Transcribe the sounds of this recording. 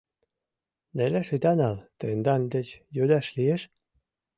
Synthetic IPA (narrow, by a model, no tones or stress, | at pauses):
neleʃit̪ɑnɑlt̪end̪ɑnd̪et͡ɕjød̪ɑʃlieʃ